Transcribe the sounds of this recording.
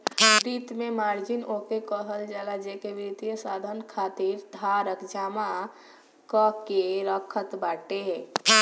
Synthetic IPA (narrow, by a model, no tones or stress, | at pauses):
ɾit̪memaːɾd͡ʒinokekəɦəld͡ʒaːɡad͡ʒekeʋɾit̪ijəsaːd̪ʱənkʰaːt̪iɾd̪ʱaɾəkd͡ʒaːma | kɔkeɾəkʰət̪baːʈeɦɛ̃ː